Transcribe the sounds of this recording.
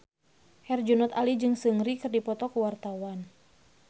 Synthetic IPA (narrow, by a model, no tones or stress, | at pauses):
hɛrd͡ʒunɔt̪alid͡ʒɨŋsɨŋɾikɨrdipɔt̪ɔkuwart̪awan